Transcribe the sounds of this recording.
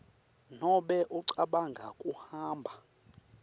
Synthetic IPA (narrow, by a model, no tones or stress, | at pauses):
nɔɓɛʔuǀaɓaŋɡʱa̰kʼuhaːmbʱa